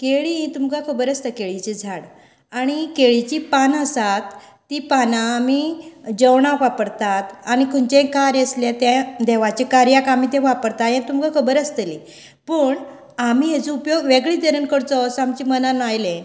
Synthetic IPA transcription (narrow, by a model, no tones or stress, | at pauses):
keɭiĩt̪umkakʰəbəɾəst̪əkeɭit͡ɕid͡zʱaɽ | aɽ̃ikeɭit͡ɕipanəsat̪ː | ipanãːmid͡ʑəwɳãʋapəɽt̪at̪añikʰunt͡ɕẽkaɾjesljet̪ẽd̪ɛʋat͡ɕekaɾjakam̤it̪ẽʋapəɽt̪ajẽt̪umkakʰəbəɾəst̪əli | pəːɳ | amiɦet͡sũupjoɡʋeɡɭiːd̪əɾənkəɾt͡sɔsamt͡ɕimənanajlẽ